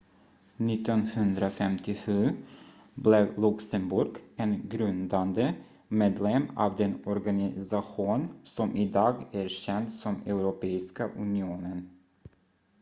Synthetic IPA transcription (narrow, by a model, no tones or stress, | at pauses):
nɪt̪ːɔnhɵnd̪ɾafɛmt̪ʰɪɧʉ̟ː | blɛvlɵksəmbʊɾɡɛnɡɾɵnd̪and̪ə | meːd̪lɛmɑ̰ːvd̪ɛnɔɾɡanɪsaɧuːnsɔmʔɪd̪ɑːɡæɾɕɛnt̪sɔmɛʊɾʊpeːɪskaʔɵ̰nɪuːnən